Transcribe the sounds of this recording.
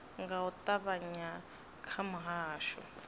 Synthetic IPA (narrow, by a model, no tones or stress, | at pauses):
ŋɡaut̪ʼaβaɲa | kʰamʊɦaːʃɔ